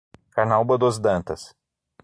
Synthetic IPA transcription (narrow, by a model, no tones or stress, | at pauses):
kaɾnawbɐd̪ozd̪ɐ̃nt̪ɐs